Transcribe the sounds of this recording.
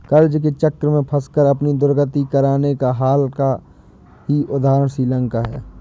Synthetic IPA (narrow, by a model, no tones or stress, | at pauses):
kəɾd͡ʒk̬et͡ʃəkɾəmẽpʰəskəɾəpnid̪ʊɾɡət̪ikəɾaːnekaɦaːlka | ɦiʔʊd̪ʱaːɾəɳ̃sɾiːlə̃ŋkaɦɛ̰ː